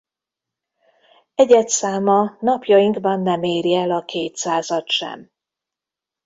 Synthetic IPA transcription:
ɛɟɛt̪saːmɒnɒpjɒjiŋɡbɒnːɛmeːɾjɛlɒkʰeːt̪saːzɒt̪ʃɛ̰m

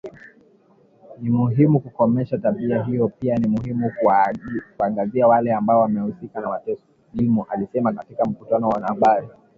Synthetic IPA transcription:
nimuɦimukukɔmɛʃataɓiaɦijɔpianimuɦimu | kuaŋɡaziawalɛambaɔwamɛhusikanawatɛs | limuʔalisɛmakatikam̩kutanɔwanahaɓaɾi

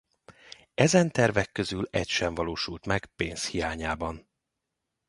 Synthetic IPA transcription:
ɛzɛnt̪ɛrvɛkːøzylɛ̰cʃɛɱvɒloːʃult̪mɛɡ̥peːnshijaːɲaːbɒn

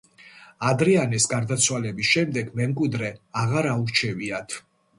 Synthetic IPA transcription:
ad̪ɾɛanɛsɡaɾd̪at̪sʰwalɛbisʃɛmd̪ɛɡmɛmkʼwid̪ɾɛaʁaɾauɾt͡ʃʰɛviat̪ʰ

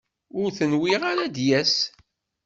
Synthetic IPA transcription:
ʊɾθənwiʁaɾad̪jæs

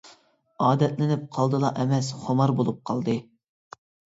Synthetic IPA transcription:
ɑːd̪ɛt̪lɪnɪp̚qʰɑlˠd̪ɨlˠɑʔɛmɛsχomɑɾbolˠup̚qʰɑlˠd̪ɨ

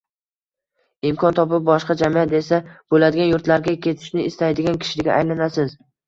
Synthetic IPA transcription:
ɪmkʰɒnt̪ʰɒpɪp̚bɒʃqɑd͡ʒamiat̪e̞sab̥olad̪ɪɡʲanjʊɾt̪laɾɡʲakʲʰe̞t̪ʰɪ̥ʃnɪɪst̪ajd̪ɪɡʲankʲʰɪ̥ʃɪɪɡʲa̰ʔajlanasɪz

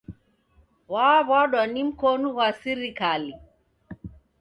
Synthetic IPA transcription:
waβwaɗwanim̩kɔnuwasiɾikali

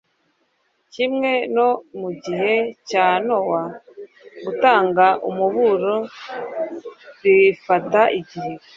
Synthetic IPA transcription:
cimŋe̞no̞muɟiɦe̞caːno̞wa | ɡutaːŋɡaʔumuβuɾo | ɾifataʔiɟihe̞

